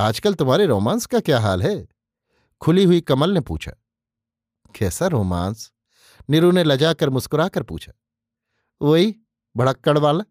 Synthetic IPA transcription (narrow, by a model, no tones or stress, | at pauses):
aːd͡ʒkəlt̪ʊmɦaːɾeɾoːmaːnskakjaːɦaːlɦɛ | kʰʊliɦʊikɐməlnepṵːt͡ʃʰa̰ | kʰɛːsaɾoːmã̰ːns | nɪɾunelɐd͡ʒaːkəɾmʊskʊɾaːkəɾpṵːt͡ʃʰa̰ | ʋoːɦi | bʱɐɽ̤əkːəɽʋaːla